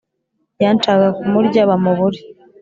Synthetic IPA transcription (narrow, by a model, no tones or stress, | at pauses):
jant͡ʃaɡakumuɾɟaβamuβuɾi